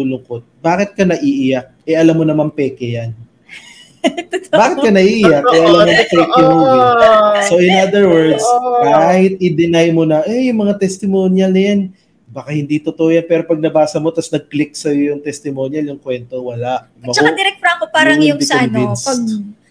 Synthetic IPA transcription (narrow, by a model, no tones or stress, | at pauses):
ulʊŋkot̪̚baːkɪt̪̚kɐnɐʔiʔɪjak̚ɛʔɐlamːonɐmampɛːkɛjan | baːkɪt̪kɐnɐʔiʔɪjɐkʔɛʔɐlammːonpɛːkɛmoisoʔɪnad̪ɛɹwɛɹd̪skaːhɪt̪̚ɪd̪ɪnajmonɐʔɛjʊŋmɐŋat̪ɛst̪ɪmoːnjɐlnɐjan | bɐkahɪnd̪it̪ot̪oʔojanpɛːɾo̞pɐɡ̚nɐbaːsɐmo̞t̪ɐsnɐɡ̚klɪk̚sɐjojʊŋt̪ɛst̪ɪmo̞ːnjɐljʊŋkwɛnt̪owɐlaʔ | mɐt͡ʃːɐoɐd̪ɪɾɛk̚t̪ɾɐkopaːɾɐŋjʊd̪isonvinssɐ